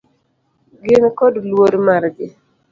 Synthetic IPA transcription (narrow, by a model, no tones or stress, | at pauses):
ɡɪnkɔdlwoɾmaɾɡe